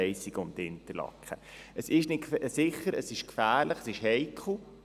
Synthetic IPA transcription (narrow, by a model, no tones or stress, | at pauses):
ɛɪsiɡəʊntɪnt̪əɾlɑ̰kχə | əsɪʃnɪtsɪχːəɾəsɪʃkfæːɾləχəsɪʃhɛɪkʰχl̩